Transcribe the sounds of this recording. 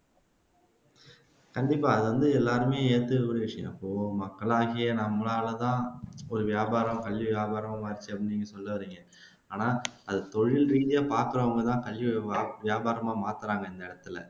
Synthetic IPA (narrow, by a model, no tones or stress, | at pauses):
kɐɳɖɪpːaːɐðɯʋɐnd̪ɯɛlːaːɾɯmeːjeːt̪ːɯɐɾɐʋɪʂɐjɐ̰̃mɐpːoːmɐkːɐɭaːɣɪjɐnɐmːlaːlɐt̪ãːɔɾɯʋjaːbaːɾɐ̃mkɐɭʋiʋjaːbaːɾɐmaːmaːɪɾt͡ʃːɯɐpːɐɽnɪŋɡɐsɔlːɐʋɐɾiːŋɡɐ | aːnaːɐðɐt̪ɔɻɪlɾiːðɪjaːpaːɾkɯɾɐʋɐŋɡɐt̪ãːkɐɭʋiʋɪjaːbaːɾɐmaːmaːt̪ɯɾaːŋɡɐɪnd̪ɐɪɽɐt̪ːɪlɐ̰